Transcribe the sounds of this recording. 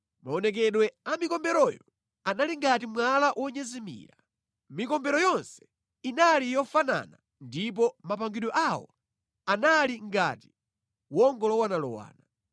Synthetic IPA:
maɔnɛk̬ɛɗwɛamikɔmbɛɾɔjɔ | analiŋɡatimwalaʔwʔɔɲɛzɛmḭːɾa | mikɔmbɛɾɔjɔnsɛ̥ | inalijɔfana̰na | ndip̬ɔmapaŋɡiɗɔʔawɔ̰ | analiŋɡa̰ti̥ | wɔŋɡɔlɔwanalɔ̰wa̰ːna

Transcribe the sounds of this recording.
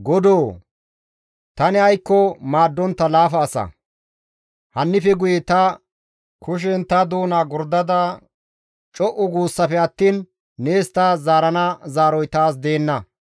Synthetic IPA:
ɡɔd̪oː | t̪ɐnɪɐjkːɔmaːd̪ːɔnt̪ːɐlaːfɐːsɐ̰ | hɐnːɪfɛɡʊjet̪ɐ | kʰʊʃ̬ɛnt̪ɐd̪uːnaːɡʊɾd̪ɐd̪ɐ | t͡ʃʼɔʔʊɡuːsːɐfɛɐt̪ːiːnː | e̞ːst̪azaːɾɐnɐzaːɾɔjt̪aːs̬d̪e̞ːnːɐ

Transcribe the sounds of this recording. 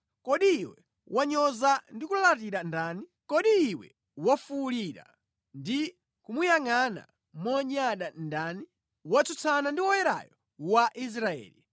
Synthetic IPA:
kɔɗiːwɛ | wʔaɲɔzandikulat̬iɾandanikɔɗiːwɛ̰ | wafuliɾa̰ | ndi | kumujaŋana̰ | mɔɲaɗandaːni | wat͡sut͡sʰanandiwɔjɛɾa̰jɔ | waʔis̬ɾaɛ̰ːli

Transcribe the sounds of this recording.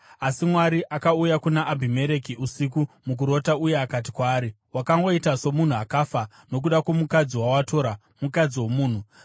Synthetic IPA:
asimwaɾiʔakaujakunaʔːbʱime̞ɾe̞kiusikumuk̬uɾo̞taujeakat̬i̥kwaːɾi | wakaŋɡo̞itaso̞mun̤uakafa | no̞k̬uɗakwomukad͡ziwawato̞ɾa | mukad͡ziwo̞muːn̤u

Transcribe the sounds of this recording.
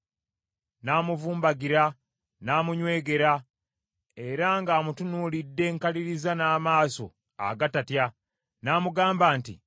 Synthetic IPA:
naːmuvuːmbaɡiɾa | naːmuɲwe̞ːɡe̞ɾa | e̞ɾaŋɡaːmutunulidːe̞ːŋkaliɾizanaːmaːso̞̰ | a̰ɡatatja | naːmuɡaːmbaːntḭ

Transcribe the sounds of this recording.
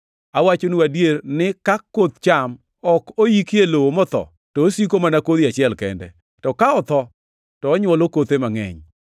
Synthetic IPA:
awat͡ʃonuadjernɪkakːot̪t͡ʃam | ɔkojikɪelowomɔt̪ɔ̰ | tɔːsik̬omanakod̪iat͡ʃɪɛlkɛ̰ndɛ̰ | tɔkaɔt̪ɔ | tɔːɲwɔlokot̪emaŋɛ̰ɲ

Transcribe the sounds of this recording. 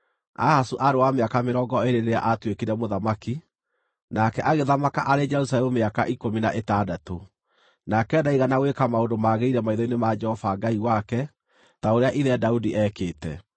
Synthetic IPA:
a̰hasuʔaɾewameakameɾɔɡɔeɾeɾeɾea̰ʔatwekiɾɛmoðamaki | nakɛʔaɣeðamakaʔaɾed͡ʒɛɾusalɛmumeaka̰ʔikomina̰ʔetadato | nakɛdaiɣanawekamaondomaɣeiɾɛmaiðɔinemad͡ʒɛhɔfaɡaiwakɛ | taoɾeaʔiðɛdaudiʔɛːkeːtɛ̰

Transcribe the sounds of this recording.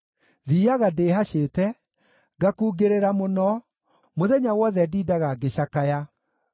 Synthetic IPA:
ðiːaɣadeːɦaɕeːtɛ | ɡakuːɡeɾeɾamonɔ | moðɛɲawɔðɛdiːdaɣaɡeɕakaja

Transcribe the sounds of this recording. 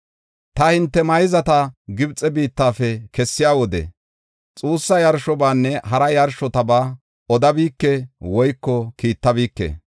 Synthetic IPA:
t̪ɐhɪnt̪ːɛmɐjzɐt̪ɐɡɪbt͡sʼːɛbiːt̪ːaːfɛkɛsːɪjaːwɔd̪ɛ̰ | t͡sʼuːsːɐjɐɾʃɔbaːnːɛɦɐɾɐjɐɾʃɔt̪ɐbaː | ɔd̪ɐbiːkːɛwɔjkːɔkiːt̪ːɐbiːkːḛː

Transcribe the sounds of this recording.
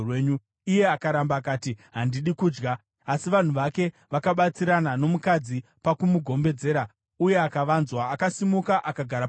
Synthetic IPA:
weːɲu | ije̞akaɾambaːkaːtiɦandiɗikuːd͡ʒɡa | asiʋan̤uʋake̞ | ʋakaɓat͡siɾanano̞mukad͡zi | pakumuɡʱo̞mbe̞d͡ze̞ːɾa | uje̞akaʋanzwaːkasimukaʔakaɡʱaɾa

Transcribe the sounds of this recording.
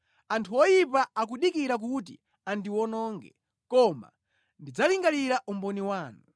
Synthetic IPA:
antʰuwɔjipaak̬uɗikiɾak̬ut̬ḭ | andiwɔnɔːŋɡɛ̰ | kɔma̰ | ndid͡zaliŋɡaliɾaʔumbɔniwaːnu

